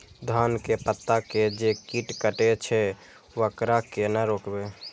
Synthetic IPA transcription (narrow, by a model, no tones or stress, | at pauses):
d̪ʱaːnkepət̪ːaked͡ʒekiʈkəʈet͡ʃʰɛ | ʋəkɾakenəɾoːkbe